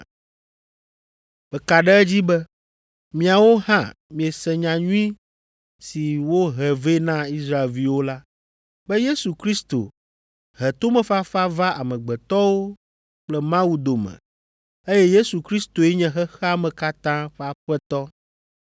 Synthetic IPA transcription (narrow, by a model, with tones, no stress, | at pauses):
bɛ˨ka˨ɖɛ˦ɛ˦d͡ʑi˦bɛ˦ | mĩ˨a˨wo˦ɦã̰˦˨mĩ˨e˨sɛ̃˨ɲã˨ɲũ˦ĩ˦ | si˨wo˦ɦɛ˨ve˦nã˦i˦sɾa˦e˨lvi˨wo˦la˦ | bɛ˦je˦su˨kɾi˦st̪o̰˨ | ɦɛ˨t̪o˦mɛ̃˨fa˦fa˦va˦a˨mɛ̃˨ɡ͡bɛ˨t̪ɔ˦wo˦ | k͡plɛ˦mã˦wu˦d̪o˨mɛ̰̃˨ | e˦jɛ˦je˦su˨kɾi˦st̪o˨ɛ˦ɲɛ̃˦ɦɛ˦xɛ˦a˦mɛ̃˨ka˦t̪ã˦ɸɛ˦a˨ɸɛ˦t̪ɔ˦